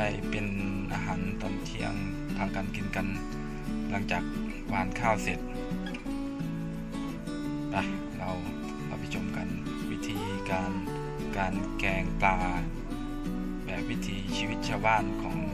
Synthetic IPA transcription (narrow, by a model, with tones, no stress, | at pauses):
a˥˩jpe˨nʔaː˧ɦaː˨˦nt̪ɔː˨˩nt̪ʰi˧˥ɐ̰ŋ | p̪ʰaː˧˨ŋka˨˧˨nki˨nka˨n | la˧˥˦ŋt͡ɕaː˨˩k̚ | baː˧˨nkʰaː˥˩˨wse˨˩t̪̚ | da˧˩ | la˧w | la˧˩wpʰa˧t͡ɕʰo˧˨mka˧˨n | wi˦˥t̪ʰiː˧˦ | kaː˨˧n | kaː˨nkɛː˨˧˩ŋplaː˧ | bɛː˨˩p̚wi˦˥t̪ʰiː˨˧˦siː˧wi˧t̪̚t͡ɕʰa˧wbaː˥˨nkʰɔː˨˦ŋ